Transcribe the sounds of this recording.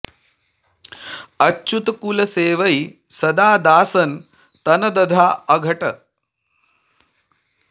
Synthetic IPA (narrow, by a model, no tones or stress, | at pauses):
ɐt͡ʃːut̪ɐkulɐseːʋɐj | sɐd̪aːd̪aːsɐn | t̪ɐnɐd̪ɐd̪ʱaːɐɡʱɐʈɐ